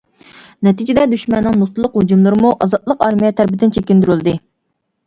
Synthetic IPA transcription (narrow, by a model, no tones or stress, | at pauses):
nɛt̪ʰid͡ʒɪd̪ɛd̪yʃmɛnːɨŋnust̪ʰɨlˠəqhud͡ʒumlˠɨɾɨmuʔɑzɑt̪lˠəqɑɾmijɛt̪ʰæɾpɪd̪ɪnt͡ʃʰekʲːind̪yɾylˠɨd̪ɨ